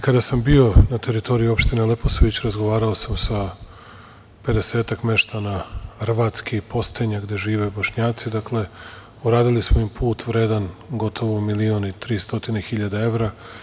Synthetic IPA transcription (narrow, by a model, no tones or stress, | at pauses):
kad̪asambio̞nat̪e̞ɾit̪o̞ɾijuo̞pʃt̪ine̞le̞posoʋit͡ɕɾazɡo̞ʋaːɾaosamsa | pe̞d̪e̞seːt̪akme̞ʃt̪anaxr̩ʋat̪skʰipo̞st̪eɲaɡd̪e̞ʒiːʋe̞boʃɲaːt̪sid̪akle̞ | uɾaːd̪ilismoimpʰuːt̪ʋɾe̞ːd̪anɡo̞t̪ʰo̞ʋomilionit̪ɾiːst̪o̞t̪inexiʎad̪ae̞ʋɾa